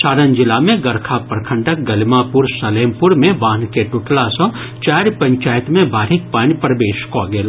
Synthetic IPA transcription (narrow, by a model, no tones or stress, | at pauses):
saːɾənd͡ʒɪlamẽɡɐɾkʰapɾkʰə̃ɳɖək̚ɡɐlmapuɾsəleːmpuɾmẽbãːnkeʈʊʈlasɔ̃ | t͡ʃaːɾpə̃ɲt͡ʃaːjt̪mẽbʱaːɾɪk̚paːnipɾɐʋeːʃkoaɡeːla